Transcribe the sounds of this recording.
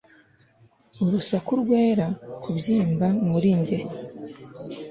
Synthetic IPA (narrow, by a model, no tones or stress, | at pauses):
uɾusakuɾɡwe̞ːɾakubjiːmbamuɾiɲɟe̞